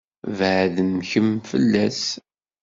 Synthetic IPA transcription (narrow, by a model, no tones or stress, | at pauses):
vʕðənçəmfə̰lːæs